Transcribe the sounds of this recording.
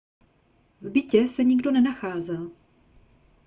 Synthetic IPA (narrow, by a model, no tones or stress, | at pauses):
vbɪcɛsɛɲɪɡdo̞nɛnaxaːzɛl